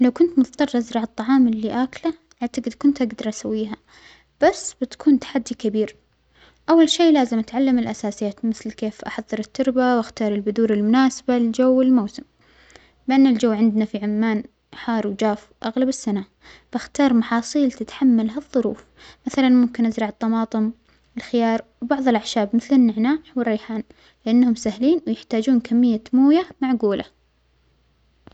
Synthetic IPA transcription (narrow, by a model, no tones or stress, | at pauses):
lawkʊnt̪mʊt̪ɑt̪ˤɑrˤːʔazɾɑʕɑt̪ˤːɑʕɑːmɪlːiːʔaːkla | ʔaʕt̪aɡɪd̪kʊnt̪ʔaɡd̪ɑɾˤʔasawːiːɦa | b̥asːb̥ɪt̪kuːnt̪ḁħad̪ːikabiːɾ | ʔawːalʃeːʔlaːzɪmʔat̪ʕalːamɪlʔasaːsɪjaːt̪mɪθlkeːfʔɑħɑðˤːɨɾɪt̪ːʊɾbawʔaxt̪ɑːɾˤɪlbʊd̪uːɾɪlmʊnaːsḁbalɪld͡ʒawːɪlmawsɪm | bɪʔanːɪld͡ʒawːʕɪnd̪nafiʕʊmːaːn | ħɑːɾˤwd͡ʒaːf | ʔaɣlabɪsːana | fʔaxt̪ɑːɾˤmɑħɑːsˤiːlt̪ɪt̪ħamːalɦaðˤːʊɾuːf | maθalanmʊmkɪnʔazɾˤɑʕɨt̪ˤːɑmɑːt̪ˤɨm | ɪlxɪjɑːɾˤwbɑʕðˤɨlʔaʕʃaːbmɪθlɪnːɪʕnaːħwɪrːijħaːn | lɪʔanːhʊmsahliːnwɪjɪħt̪aːd͡ʒuːnkʰamːɪjːamuːjamaʕɡuːlʔa̰